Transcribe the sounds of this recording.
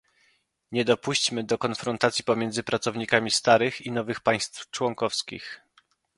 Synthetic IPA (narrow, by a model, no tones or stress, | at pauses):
ɲɛd̪ɔpuɕt͡ɕmɘd̪ɔkɔnfɾɔnt̪at̪sʲjipɔmʲjɛnd̪zɘpɾat̪sɔvɲikamʲist̪aɾɘxinɔvɘxpaj̃st̪ft͡ʂwɔŋkɔfskʲḭx